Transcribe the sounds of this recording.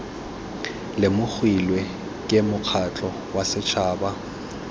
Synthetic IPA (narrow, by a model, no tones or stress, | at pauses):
lɪmʊk͡xʰwilwe | kʼɪmʊk͡xʰat͡ɬʼɔ | wasɪt͡ʃʰaːba